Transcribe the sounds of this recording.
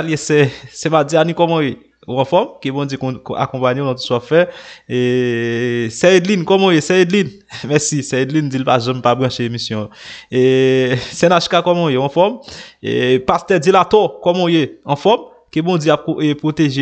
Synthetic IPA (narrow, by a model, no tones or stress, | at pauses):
ljesɛsɛmad͡zianĩkɔmɔ̃je | ɐ̃fɔmkebɔ̃d͡zjekka̰kɔ̃paɲeonɔ̃t̬u̥soapfɛe | sɛedlinkɔmɔ̃jesɛedlin | mɛsisɛedlind͡zilpaʒãmpabɣɐ̃ʃeemisjɔ̃esɛnaʃkakɔmɔ̃jewɔ̃fɔmḛpastɛd͡zilatɔkɔmɔ̃jeɐ̃fɔm | kebɔ̃d͡zjeap̚koepʁoteʒe